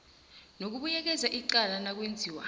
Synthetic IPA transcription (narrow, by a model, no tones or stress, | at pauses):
nok̬uɓujɛk̬ɛzaʔiǃalanak̬wend͡zʱiːwa̰